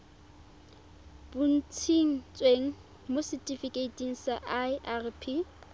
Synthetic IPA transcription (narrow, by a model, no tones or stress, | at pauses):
b̥un̩t͡sʰiŋ̩t͡sʼweŋ̩ | mosɪtʼifikʼeitʼiŋ̩saʔaʔarpʰi